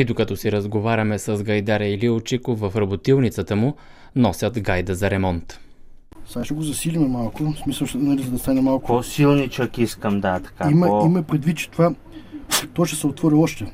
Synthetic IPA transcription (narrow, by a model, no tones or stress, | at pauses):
id̪okɐt̪ɔsiɾəzɡovaɾʲɐmɛsəzɡɐjd̪aɾɐiliʊt͡ʃikʊvəfɾɐbot̪ilˠnit̪sət̪əmʊ | nɔsʲət̪ɡajd̪əzɐɾɛmɔnt̪ | saʃɐɡozɐsilimɛmalˠkʊsmisəlˠt͡ʃnɐlʲisɛnɐst̪anɛmalˠkosilˠnit͡ʃəkiskəmd̪at̪ɐ̥kaimɐimɐpɾɛd̪vit̪̚t͡ʃɛ̥t̪ova | t̪ɔjʃt̪ɛ̥sɛot̪vɔɾiɔʃt̪ɛ